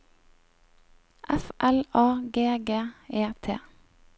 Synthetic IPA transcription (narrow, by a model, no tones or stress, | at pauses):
ʔæfʔɛlɑːɡeːɡeːeːt̪ʰḛː